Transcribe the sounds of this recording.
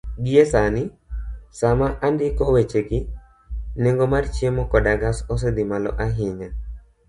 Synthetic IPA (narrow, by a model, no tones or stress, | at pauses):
ɡiesanɪ | samaʔandɪkɔwet͡ʃeɡɪ | neŋɡomart͡ʃiemɔkɔdaɡasɔs̬ed̪ɪmalɔ̰ʔaɦɪɲa